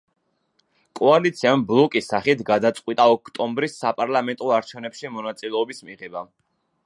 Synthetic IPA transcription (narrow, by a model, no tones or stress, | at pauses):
kʼɔalit̪sʰiamblˠɔkʼisaχit̪ʰɡad̪at̪sʼqʼwit̪ʼaɔkʰt̪ʼɔmbɾisːapʼaɾlˠamɛnt̪ʼɔaɾt͡ʃʰɛvnɛpʃimɔnat̪sʼilɛɔbismiʁɛba